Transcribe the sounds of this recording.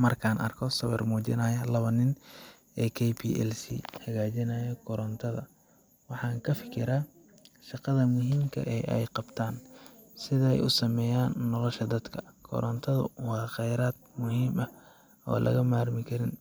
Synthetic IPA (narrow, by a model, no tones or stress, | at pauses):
mɐrkʰaːnʔɐ̰rkʰɔsɐβɛ̰rmuːt͡ʃɪ̰nɐːjɐlɐβɐnɪn | ɛːkʰɛjpʰḭːʔɛ̰lsḭhɐɣaːt͡ʃɪnɐːjɔkʰɔɾɔnt̪ʰɐðɐ | wɑħɑːŋkʰɐfɪkʰɪɾaː | ʃɑqɑðɐmʊɦiːmkʰɐ̰ʔɛːʔɛ̰jqɑbt̪ʰaːn | sɪðɐɛ̰jʊ̰sɐmɛːjaːnːɔlɔʃɐd̪ɐd̪kʰɐ̥kʰɔ̰ɾɔnt̪ʰɐðɐ̰wɑːχɛjɾaːd̪̚mʊhiːmɐ | ɔ̰ːlʔɐ̰ɣɐmaːrmɪkʰɐɾɪn